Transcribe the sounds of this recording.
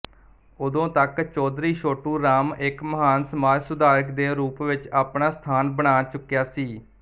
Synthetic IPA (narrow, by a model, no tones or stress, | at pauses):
ʊd̪õːt̪əkt͡ʃɔːd̪ɾiːʃoːʈuːɾaːmɪkməɦaːnsəmaːd͡ʒsʊd̪aːɾəkd̪eːɾuːpʋɪt͡ʃaːpɳaːst̪ʰaːnbəɽ̃aːt͡ʃʊkːjaːsiː